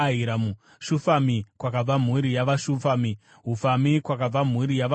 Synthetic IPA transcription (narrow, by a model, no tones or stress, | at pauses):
iɾamu | ʃufamikwakab͡vam̤uɾijaʋaʃufami | ɦufamikwakab͡vam̤uɾijaʋ